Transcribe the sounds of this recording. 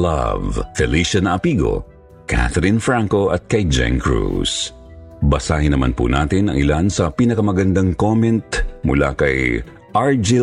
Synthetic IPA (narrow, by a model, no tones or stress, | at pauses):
lɐ̰vt̪ɛliʃɐnɐʔɐpiːɡo̞̰ | kʰa̰t̪ɛɾɪnfɹaŋko̞ʔɐt̪̚kɐjd͡ʒɛ̰ŋkɹṵs | bɐsaːhɪnɐma̰npṵnaːt̪ɪnɐ̰ŋʔɪ̰lansɐpiːnɐkɐmɐɡɐnd̪aŋkomɛnt̪̚mʊ̰la̰kɐj | ʔaɹd͡ʒɪ